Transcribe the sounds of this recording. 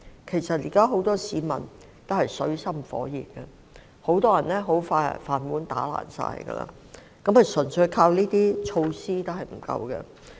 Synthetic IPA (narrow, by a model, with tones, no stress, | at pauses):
kʰe˨˩jsɐ˨t̚ji˨˩kaː˥ɦo˨˥wt̪ɔː˥siː˨˥mɐ̰˨˩n | t̪o˥hɐ˨jsɵ˨˥ɥsɐ˥mfɔ̰ː˨˥jḭː˨˩k̚kɛ˧ | ho˨˥wt̪ɔː˥jɐ˨˩nlɛ˥ɦo˨˥wfaː˧j̰faː˨˩nmuː˨˥nt̪aː˨˥la̰ː˨˩nsa̰ː˧jɡɐ̰˧la̰ː˧ | kɐ˨˥mhɐ˨jsɵ˨˩nsɵ˨˧ɥjkʰaː˧wniː˥t̪iː˥t͡ʃʰo˧wsiː˥t̪o˥hɐ˨jm̩˨˩kɐ̰˧wɡɛ̰˧